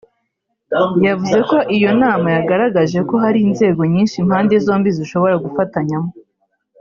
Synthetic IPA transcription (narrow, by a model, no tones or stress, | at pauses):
javuze̞ko̞ʔijo̞naːmajaɡaɾaɡaʒe̞ko̞ɦaɾiːnze̞ːɡo̞ɲiːnʃimhaːnde̞zo̞ːmbiziʃoβo̞ɾaɡufataɲamo